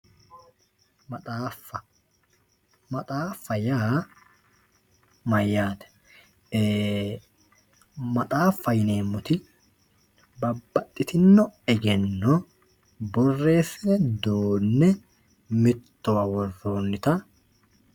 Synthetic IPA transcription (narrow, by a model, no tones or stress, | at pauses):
mɐt̪ʼaːfːɐ | mɐt̪ʼaːfːɐjaː | mɐjːaːt̪ɛ̥ː | mɐt̪ʼaːfːɐjɪne̞ːmːʊt̪ɪ | bɐbːɐt̪ʼːɪt̪ɪnːɔɛɡɛnːɔ | bɔrːe̞ːsɪnɛd̪oːnːɛ | mɪt̪ːɔwɐwɔrːoːnːɪt̪ɐ